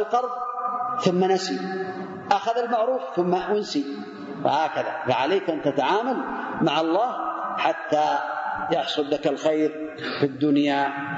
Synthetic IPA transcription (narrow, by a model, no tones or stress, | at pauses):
alqɑɾˤðˤθʊmːanasi | ʔaxaðalmaʕɾuːfθʊmːaʔʊnsi | wa̰haːkaða̰faʕaleːkʔant̪at̪aʕaːmalmaʕɑlˤːɑːhħat̪ːajɑħsˤʊllakalxejɾ | fid̪ːʊnja